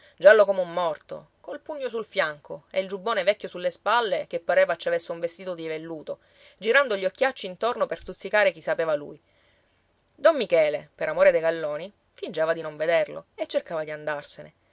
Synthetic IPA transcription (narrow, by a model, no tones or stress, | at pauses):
d͡ʒalːokomeumːɔrt̪o̰ | kolpuɲːosulfjaŋkoḛild͡ʒubːoːnevɛkʲːosulːespalːekepːaɾeːvat͡ʃːavesːeuɱvest̪iːt̪od̪ivelːuːt̪o | d͡ʒiɾand̪oʎːiokːjat͡ʃːint̪ornoperst̪ut̪sːikaːɾek̟isːapeːvalṵj | d̪omːikɛːlepeɾamoːɾed̪ejɡalːoːni | find͡ʒaːvad̪inoɱved̪erlo̰et͡ʃːerkaːvad̪iand̪arsenḛ